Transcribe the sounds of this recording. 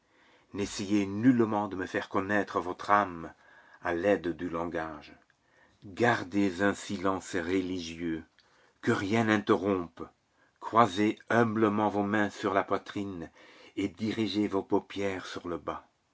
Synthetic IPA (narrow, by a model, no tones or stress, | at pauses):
nesejenylmɑ̃d̪əməfɛʁkɔnɛt̪χəvɔt̪χam | alɛd̪d̪ylɑ̃ɡaʒ | ɡaʁd̪ezɛ̃silɑ̃sʁəliʒjø | kəʁjɛ̃nɛ̃t̪eʁɔ̃p | kχwazeœ̃bləmɑ̃vomɛ̃syʁlapwat̪χin | ed̪iʁiʒevopopjɛʁsyʁləba